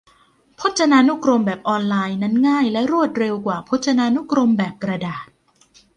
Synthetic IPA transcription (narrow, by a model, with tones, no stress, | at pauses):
pʰo˦˥t̪̚t͡ɕʰa˧naː˧nu˦˥kɾo˧mbɛː˨˩p̚ʔɔː˧nlaː˧jna˦˥nŋaː˥˩jlɛ˦˥ɾu˥˩ət̪̚ɾe˧wkwaː˨˩pʰo˦˥t̪̚t͡ɕʰa˧naː˧nu˦˥kɾo˧mbɛː˨˩p̚kɾa˧daː˨˩t̪̚